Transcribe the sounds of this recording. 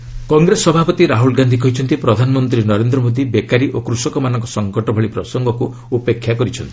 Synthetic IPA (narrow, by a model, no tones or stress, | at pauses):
kɔŋɡɾesɔbʱapɔt̪iɾaɦulɡand̪ʱik̬ɔɦit͡ʃʰɔnt̪ipɾɔd̪ʱanɔmɔnt̪ɾinɔɾend̪ɾɔmod̪ibekaɾiʔokɾusɔkɔmanɔŋkɔsɔŋkɔʈɔbʱɔɭipɾɔsɔŋɡɔku | upekʰːjakɔɾit͡ʃʰɔnt̪ii̥